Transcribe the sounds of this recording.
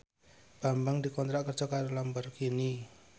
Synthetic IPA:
b̥ambaŋdikɔnt̪ɾaʔkərd͡ʒɔkaɾulambarkini

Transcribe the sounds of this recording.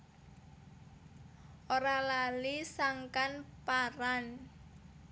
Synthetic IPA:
ʔoɾalalisaŋkanpaɾan

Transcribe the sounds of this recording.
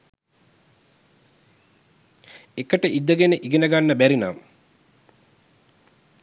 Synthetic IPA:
ekəʈəʔid̪ːəɡenəʔiɡenəɡanːəbæɾinaːm

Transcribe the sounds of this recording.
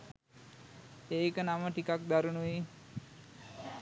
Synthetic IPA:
eːkənaməʈikak̚d̪aɾunuʋiː

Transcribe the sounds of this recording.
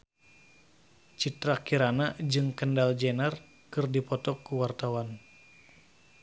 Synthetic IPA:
t͡ʃit̪ɾakiɾanad͡ʒɨŋkəndald͡ʒɛnar | kɨrdipɔt̪ɔkuwart̪awan

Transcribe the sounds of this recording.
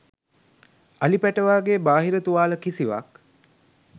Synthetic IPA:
alipæʈəʋaːɡeːbaːɦiɾət̪uʋaːləkisiʋa̰k

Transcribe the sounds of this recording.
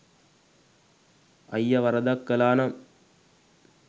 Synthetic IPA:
ɐjːɐʋɐɾɐd̪ɐkːɐlaːnɐm

